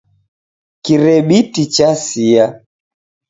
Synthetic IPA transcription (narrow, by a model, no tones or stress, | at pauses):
kiɾɛɓitit͡ʃasia